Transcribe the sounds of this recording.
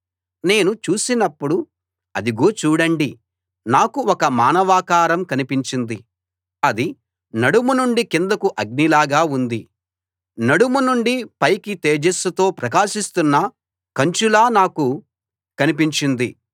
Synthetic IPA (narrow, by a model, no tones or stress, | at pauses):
ne̞ːnut͡ʃuːsinɐpːuɽu | ɐ̰d̪iɡo̞ːt͡ʃuːɽɐɳɖi | naːkuɔkɐmaːnɐʋaːkaːɾɐmkɐnipiɲt͡ʃind̪i | ɐd̪i | nɐɽumunuɳɖikind̪ɐkuʔɐɡ̚nilaːɡaːund̪i | nɐɽumunuɳɖipɐjkit̪eːd͡ʒesɐt̪o̞ːpɾɐk̬aːʃist̪unːɐ | kɐɲt͡ʃulaːnaːku | kɐnipiɲt͡ʃind̪i